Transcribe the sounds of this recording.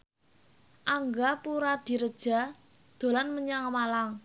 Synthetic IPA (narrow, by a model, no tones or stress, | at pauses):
ʔaŋɡapuɾad̪̥i̤ɾəd̥ʒ̥a̤ | d̪̥o̤lanməɲaŋmalaŋ